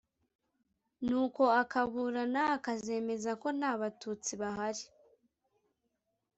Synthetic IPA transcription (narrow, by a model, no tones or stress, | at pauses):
nuːko̞akaβuːɾanaakaze̞ːme̞zako̞naːβatut͡siβaɦaɾi